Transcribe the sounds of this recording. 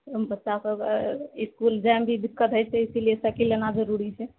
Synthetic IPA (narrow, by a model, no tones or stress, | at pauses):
bətːʃasəiskuld͡ʒambʱid̪ikːət̪ɦəjt͡ʃɛisilijesəkilenad͡ʒəɾuɾit͡ʃʰɛ